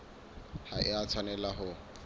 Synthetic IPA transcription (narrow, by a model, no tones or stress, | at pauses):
haʔɪat͡sʰwanɛlaɦʊ